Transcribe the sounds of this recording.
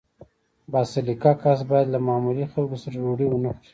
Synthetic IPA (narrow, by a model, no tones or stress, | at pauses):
bɑsalikɑkɑs̬bɑjad̪lamɑmuɾixalɡosaɾaɾoɽiwənəxi̥